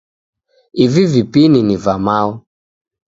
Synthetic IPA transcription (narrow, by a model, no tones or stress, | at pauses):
ivivipininivamau